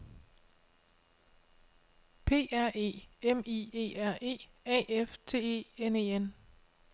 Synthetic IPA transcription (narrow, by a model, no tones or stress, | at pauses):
pʰe̝̰ːæɐ̰e̝̰ːemie̝̰ːæɐ̰ʔe̝̰ːɛ̰ːeft͡sʰe̝̰ːḛːeneːen